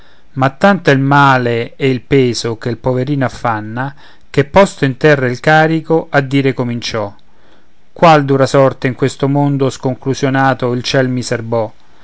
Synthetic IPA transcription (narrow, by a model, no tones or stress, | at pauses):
mat̪ːant̪oilmaːleɛilpeːzokelpoveɾiːnoafːanːa | kepːɔst̪oint̪ɛrːailkaːɾikoʔad̪ːiːɾekomint͡ʃɔ | kːwald̪uːɾasɔrt̪eiŋkwest̪omond̪oskoŋkluzjonaːt̪oilt͡ʃɛlmiserbɔ